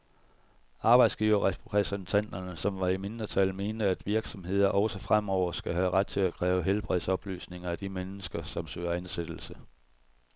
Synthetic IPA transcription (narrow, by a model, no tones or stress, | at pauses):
ɑ̈ːb̥ɑ̈ɪd̥sɡ̥ḭːʊɐʁɛpʰʁɛsent͡sʰæn̰d̥ɐnəsɒ̽mʋɑ̈ime̝nd̥ɐt͡sʰæl̰me̝̰ːnd̥əæd̥ʋiɐɡ̥sɒ̽mhe̝ð̞̰ˠɐʔɒʊsəfʁam̰ɒʊ̰ɐsɡ̥æɦæʁad̥̚t͡sʰe̝lækʰʁɛːʊəɦelb̥ʁið̰ˠsɒ̽b̥ly̰ːsne̝ŋɐæd̥imenəsɡ̥ɐsɒ̽msø̰ːɐænsed̥l̩sə